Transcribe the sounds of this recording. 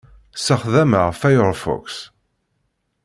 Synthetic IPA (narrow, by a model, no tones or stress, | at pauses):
səχðæməʁfæjɾˤfɔ̰ks